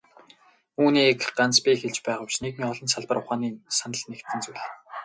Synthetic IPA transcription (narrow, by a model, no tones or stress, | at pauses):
uːniːkɢant͡spixeɮt͡ɕpæːʁʊːpʃnekmiːɔɮɞ̆nsaɮpə̆rʊχaːniːsanə̆ɮnekt̪ʰɘ̆nt͡sujɮ